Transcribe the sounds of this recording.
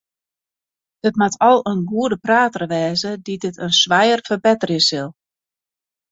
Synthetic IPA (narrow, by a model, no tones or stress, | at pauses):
dətmatʰɔlˠənɡuədəpraːtərʋɛːzədidɪtʰənsʋajərfərbɛtərjəsɪlˠ